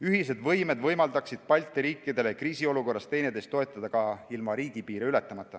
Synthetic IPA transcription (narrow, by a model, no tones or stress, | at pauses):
yɦis̬e̞d̪vɤjme̞d̪vɤjmɑld̪ɑksid̪̥̚pɑlʲt̪ˑːiɾiːkːˑid̪e̞lekriːsio̞luko̞rːɑst̪e̞jne̞d̪e̞st̪oe̞t̪ˑːɑd̪̥ɑkɑilmɑɾiːɡ̥ipiːɾiyle̞t̪ːˑɑmɑt̪ˑːɑ